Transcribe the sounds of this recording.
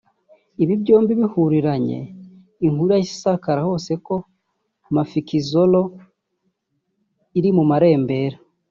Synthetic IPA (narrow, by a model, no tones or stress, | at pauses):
iβibɟo̞ːmbiβihuɾiɾaɲḛ | iŋhuɾjasi̥sakaɾaho̞ːse̞ko̞ | mafikizo̞lo̞ | iɾimumaɾe̞ːmbe̞ːɾa